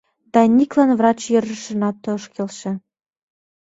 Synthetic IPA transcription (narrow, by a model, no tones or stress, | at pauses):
d̪̥ɑnʲiklˠɑnvrɑt͡ɕjɤ̆rʒə̆ʃɤ̆nɑt̪ɤ̆ʃkʲelʃĕ